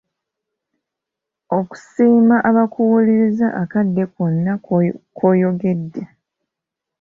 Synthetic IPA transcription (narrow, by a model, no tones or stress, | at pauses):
o̞ku̥siːmaʔaβakʰuwuliɾizaʔakadːe̞konːakʰo̞ːjo̞ɡe̞dːe